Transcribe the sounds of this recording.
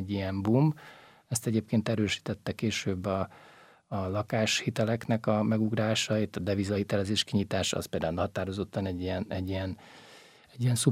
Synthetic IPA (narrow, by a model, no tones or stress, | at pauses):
ɟːijɛmbumb | ɛst̪ɛɟeːp̚keːnt̪ɛɾøːʃi̥t̪ɛt̪ːɛkeːʃøːbːɒː | lɒkaːʃhit̪ɛlɛknɛkɒmɛɡuɡraːʃɒit̪ːɒd̪ɛvizɒhit̪ɛlɛzeːʃkiɲit̪aːʃɒ̰speld̪aːulnɦɒt̪aːɾo̞zo̞t̪ːɒnɛɟːijɛnɛɟːiɛn | ɛɟːiɛnsu